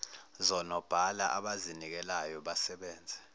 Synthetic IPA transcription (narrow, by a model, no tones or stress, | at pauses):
zɔnɔb̥ʱalaʔaɓazinik̬ɛlajɔɓasɛɓɛːnd͡zʱɛ